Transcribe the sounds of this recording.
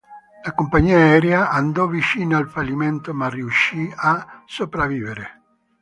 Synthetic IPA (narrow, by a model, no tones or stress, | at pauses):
lakompaɲiaɛɾjaʔand̪ɔvit͡ʃiːnaalfalːiment̪omariuʃiasopɾaviːveɾe